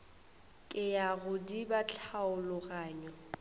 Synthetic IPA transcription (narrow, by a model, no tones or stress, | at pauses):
kʼɪjaɣʊdibat͡ɬʰaʊlʊɣaːɲɔ